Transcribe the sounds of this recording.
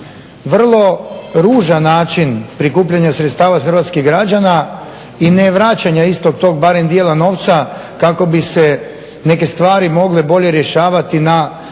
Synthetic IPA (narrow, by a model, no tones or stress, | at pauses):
ʋr̩lˠo̞ɾuːʒanːaːt͡ʃinpɾikuːpʎaɲasɾet̪st̪aːʋaxərʋat̪skiɦɡɾad͡ʑana | ineʋɾat͡ɕaɲaist̪o̞ɡ̚t̪o̞ːɡ̚baɾe̞md̪jeːlano̞ʋt̪sa | kako̞bise | ne̞ke̞st̪ʋaːɾimo̞ɡlebo̞ʎe̞ɾje̞ʃaːʋat̪ina